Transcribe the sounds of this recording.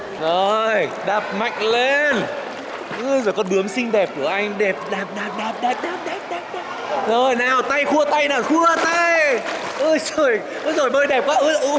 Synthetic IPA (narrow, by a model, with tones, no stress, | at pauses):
zo˨˩jɗa˨˩p̚ma̰˧˨jŋ̟le˧n | ʔɨ˧zo˨˩jkɔ˨˦nɗɨ˨˦əmsï˧ŋ̟ɗɛ˨˩p̚ku˧˩əʔa˧jŋ̟ɗɛ˨˩p̚ɗaː˨˩p̚ɗaː˨˩p̚ɗa˨˩p̚ɗaː˨˩p̚ɗaː˨˩p̚ɗɛ˨˩p̚ɗaː˨˩p̚ɗɛ˨˩p̚zo˨˩jnaː˨˩wt̪a˧jxu˧ət̪a˧jnaː˨˩xu˧ət̪a˧j | ʔɨ˧zo˨˩j | ʔɨ˧˦zo˨˩jɓəː˧jɗɛ˨˩p̚kaː˧ʔɨ˧˦ʔ